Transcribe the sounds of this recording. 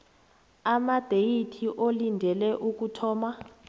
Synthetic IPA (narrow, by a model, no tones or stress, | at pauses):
amad̥ʱejitʰiʔolindʱɛlɛʔuk̬ʼutʰɔːma